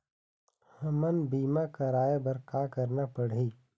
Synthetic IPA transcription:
hɐmənbiːmakɐɾaːebɐɾkaːkəɾnapəɽiː

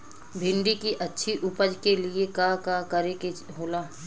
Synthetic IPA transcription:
bʱɪ̃ɳɖikiʔɐtːʃʰiʔʊpəd͡ʒkeliekakakɐɾeke | ɦoːlaː

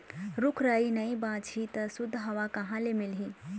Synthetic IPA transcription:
ɾʊkʰɾaːinɐĩbãːt͡ʃit̪ɐsʊd̪ʱːɦɐʋakɐɦãlemɪlɦĩ

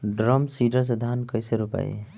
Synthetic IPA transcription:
ɖɾɔmsiɖəɾs̬ed̪ʱankəjseɾupa̰j̰

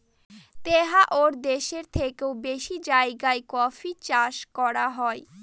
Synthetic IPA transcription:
t̪eɦaʔoɾd̪eʃeɾt̪ʰekeobeʃid͡ʑaeɡaekɔfit͡ɕaʃkɔɾaɦɔe

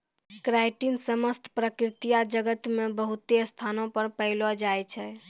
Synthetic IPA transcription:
kɾajʈinsəməst̪ʰpɾəkɾit̪ijad͡ʒəɡət̪mebəɦut̪eəst̪ʰanõpəɾpəɦlɔd͡ʒajt͡ʃʰɛ

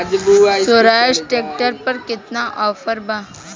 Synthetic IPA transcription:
d͡ʒsoɾaːsʈeːk̚ʈəɾpɐɾkɪt̪naʔɔːfəɾbã

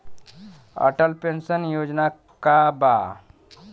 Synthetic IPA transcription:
ə̰ʈəlpensənjoːd͡ʒna | kaba

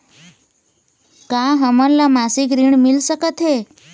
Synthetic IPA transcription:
kaɦəmənlamasikɾiɳmilsəkət̪ɦe

